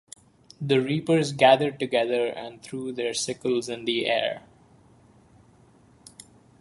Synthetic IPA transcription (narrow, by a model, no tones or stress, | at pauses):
d̪əɾiːpəɾzɡæd̪əɾɖ̚ʈʊɡɛd̪əɾæ̰̃ɳɖt̪ʰɾuːd̪eːɾsɪkəlzɪ̃nd̪iʔḛːɾ